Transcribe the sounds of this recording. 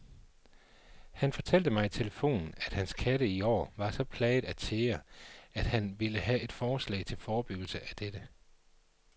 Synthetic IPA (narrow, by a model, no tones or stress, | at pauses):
hænfɒ̽t͡sʰæl̰d̥əmɑ̈ɪt͡sʰe̝ləfo̝̰ːnn̩æd̥hænskʰæɾəiɒ̰ːʋɑ̈sɒ̽pʰlɛːd̥æt͡sʰeːɐæd̥hænʋiləɦæe̝d̥fɒːslɛ̰ɪt͡sʰe̝lfɒːb̥yɡ̥l̩səʔæd̥ed̥ə